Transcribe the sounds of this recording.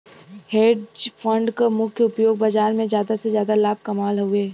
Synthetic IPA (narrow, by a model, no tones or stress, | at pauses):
heːɖd͡ʒfʰə̃ɳɖkamʊkʰjəʊpjoːɡ̚bad͡ʒaːɾmẽzjaːd̪asezjaːd̪alaːb̚ʱkɐmaːlɦoeː